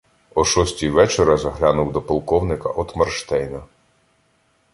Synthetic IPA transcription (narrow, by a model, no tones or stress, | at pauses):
ɔʃɔsʲtʲijʋɛt͡ʃɔɾɐzɐɦlʲanʊwd̪ɔpɔlˠkɔwnɪkɐʔɔt̪mɐrʃt̪ɛjnɐ